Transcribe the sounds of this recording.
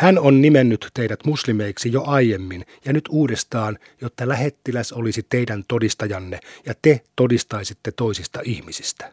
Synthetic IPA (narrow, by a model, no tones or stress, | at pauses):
hænonnimenːyt̪teidæt̪muslimeiksijoʔɑijemːinjɑnyt̪uːdest̪ɑːn | jot̪ːɑlæhet̪ːilæsolisit̪eidænt̪odist̪ɑjɑnːejɑt̪et̪odist̪ɑisit̪ːet̪oisist̪ɑihmisist̪æ̥